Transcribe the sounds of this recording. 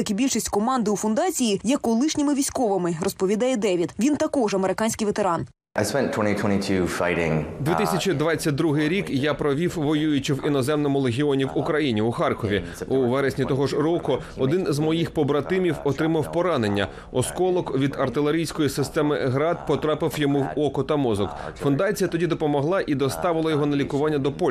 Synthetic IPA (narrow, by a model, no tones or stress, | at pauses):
ɐkʲɪbʲilʲʃisʲtʲkɔmɑnd̪ɪufʊnd̪ɑt͡sʲijijɛkɔlˠɪʃnʲɪmɪʋʲisʲkɔʋɐmɪrɔspɔʋʲid̪ɑjɛd̪ɛʋʲid̪ʋʲint̪ɐkɔʒɐmeɾɪkɑnʲsʲkɪjʋet̪eɾɑn | ʔaɪspɛ̃ntʰw̥ɛ̃ñtitʰw̥ɛ̃ñitʰʉːfa̰ɪɾɪ̰̃ŋd̪ʋʲit̪isʲɐt͡ʃid̪ʋɑt͡sʲːɐt̚ʲd̪ɾuɦɪjɾʲikjapɾɔʋʲiwʋɔjujʊt͡ʃɪwinɔzɛmnɔmʊlˠeɦʲiɔnʲiwʊkɾɐjinʲiʊxɑrkɔʋʲi | uʋɛɾesʲnʲit̪ɔɦɔʒɾɔkʊ | ɔd̪ɪnzmɔjixpɔbɾɐt̪ɪmʲiwɔt̪ɾɪmɐwpɔɾɑne̞nʲːɐ̰ | ɔskɔlˠɔkʋʲid̪ɐrt̪ɪlˠeɾʲijsʲkɔjisɪst̪ɛmɪɦɾɑd̪̚pɔt̪ɾɑpɪwjɔmuwɔkɔt̪ɐmɔzɔkfʊnd̪ɑt͡sʲijɐt̪ɔdʲid̪ɔpɔmɔɦlˠɑʔid̪ɔst̪ɑʋɪlˠɐjɔɦɔnɐlʲikʊʋɑnʲːɐd̪ɔpɔ